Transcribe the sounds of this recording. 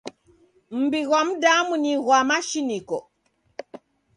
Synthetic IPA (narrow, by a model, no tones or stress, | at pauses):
m̩biɣwam̩damuniɣwamaʃinikɔ